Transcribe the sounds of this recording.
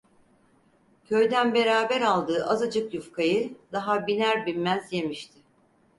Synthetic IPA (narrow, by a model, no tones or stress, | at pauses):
cʰø̞jd̪ænbe̞ɾaːbæɾalˠd̪ɯːʔazad͡ʒɯkjufkʰajɯd̪̥aɦabinæɾbinmæzjemiʃt̪ʰɪ